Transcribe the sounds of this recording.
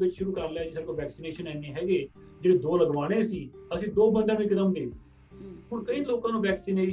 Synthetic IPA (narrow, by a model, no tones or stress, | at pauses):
ʋɪt͡ʃʃʊɾuːkəɾleɛːd͡ʒɪsəɾkoʋɛːksiːneːʃənɛːneːɦɛːɡeː | d͡ʒeːɽeːd̪oːləɡʋaːɽ̃eːsiːəsĩːd̪oːbənd̪ẽaːnũikət̪əmd̪eːɡ̪i | ɦʊnkəiːloːkãːnũːʋɛːksiːneː